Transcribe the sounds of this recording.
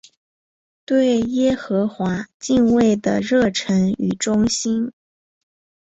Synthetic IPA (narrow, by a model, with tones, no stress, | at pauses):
t̪we˥˩ɪjɛ˥xɤ˧˥xwa˧˥t͡ɕi˥˧ŋwe˥˩ɪd̪ə̰˩ɻɤ˥˩ʈ͡ʂʰə˧˥ny˨˩ʈ͡ʂʊ˥ŋɕi˥n